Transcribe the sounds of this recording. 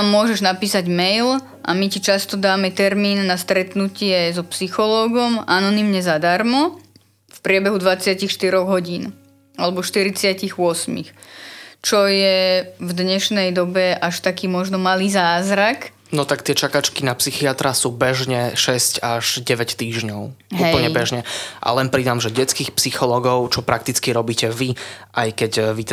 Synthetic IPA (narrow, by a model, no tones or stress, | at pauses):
mːʊɔʒɛʒnapiːsaɟmɛjl | ʔa̰micit͡ʃast̪ɔd̪aːmɛt̪ɛɾmiːnːast̪ɾɛt̪nucɪɛzɔpsixɔlɔːɡɔmanɔnimɲɛzad̪aɾmɔ | fpɾɪɛbɛɦud̪ʋat͡sɪacixʃt̪iɾɔɣɦɔɟiːn | alɛbɔʃt̪iɾit͡sɪaciɣʊɔsmḭx | t͡ʃɔjɛvd̪ɲɛʃnɛjd̪ɔbɛʔaʃt̪akiːmɔʒnɔmaliːzaːzɾak | nɔt̪akt̪ɪɛt͡ʃakat͡ʃkinapsixiat̪ɾasuːbɛʒɲɛʃɛscaʒɟɛʋɛct̪iːʒɲɔʊɦuɛpl̩ɲɛbɛʒɲɛʔa̰lɛnpɾid̪amʒɛɟɛt͡skiːxpsixɔlɔːɡɔʊt͡ʃɔpɾak̚t̪it͡skiɾɔbiːcɛʋiʔajkɛɟʋi